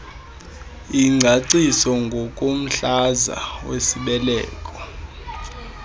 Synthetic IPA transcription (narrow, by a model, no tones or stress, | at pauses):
iŋ͡ǀʱaǀisɔŋɡʱokʼom̩ɬaza̰wesiɓɛlɛːkʼɔ